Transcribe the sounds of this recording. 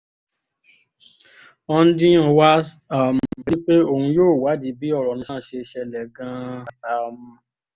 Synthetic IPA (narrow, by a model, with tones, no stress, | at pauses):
ɔ˧ñ̩˦dĩ˦ɔ̃˧wa˦ | a˨m˨bi˦k͡pe˦o˦˨hũ˧joː˦˨wa˨˦di˨˦bi˦ɔ˦˧˨ɾɔ˨nĩ˧ã˦˨˦ʃe˧ʃɛ˧lɛ˨ɡã˧a˦ta˧˦ɔ˧mɔ̃˧